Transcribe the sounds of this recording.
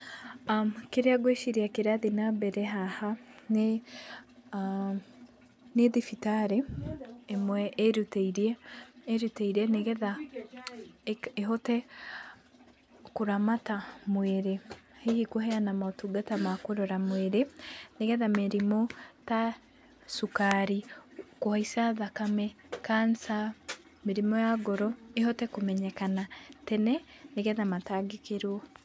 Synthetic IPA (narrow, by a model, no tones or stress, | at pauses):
keɾeaɡweʃiɾiakeɾaðinabɛɾɛɦahane | neðifitaɾeː | mwɛʔeɾuteiɾiɛːɾuteiɾɛneɣɛða | eɦotɛ | koɾamatamweɾehehikoɦɛanamaotuɡatamakoɾɔɾamweɾeneɣɛðameɾimɔta | sukaɾikohaisaðakamɛ | kansa | meɾimɔjaɡɔɾɔeɦɔtɛkomɛɲɛkanatɛnɛneɣɛðamataɡekeɾwɔ